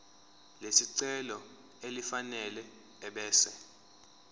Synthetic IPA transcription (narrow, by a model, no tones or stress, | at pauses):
lesiǀɛlɔ | elifanɛlɛː | ɓɛːsɛ